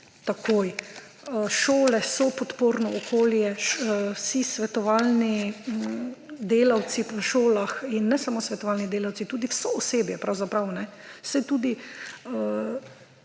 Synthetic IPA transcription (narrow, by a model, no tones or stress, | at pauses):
t̪akʰoːj | ʃoːlɛsɔpɔt̪poːɾnɔɔkʰoːljɛwsisʋɛt̪ɔʋalni | d̪eːlawt̪sipəʃoːlaxinːɛsamoːsʋɛt̪ɔʋalnid̪eːlawt̪sit̪uːd̪iwsɔːseːbjɛpɾawzapɾawnɛsɛt̪uːd̪iə